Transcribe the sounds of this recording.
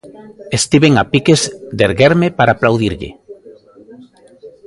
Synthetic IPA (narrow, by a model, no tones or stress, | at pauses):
est̪iβeŋapikezd̪eɾɣeɾmepaɾaːplawðiɾʎɪ̰